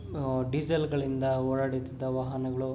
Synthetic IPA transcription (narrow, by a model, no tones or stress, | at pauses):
ɖid͡ʒɐlɡɐɭind̪ɐɔɭɐɽit̪ːid̪ːɐʋɐɦɐnɐɡɐɭu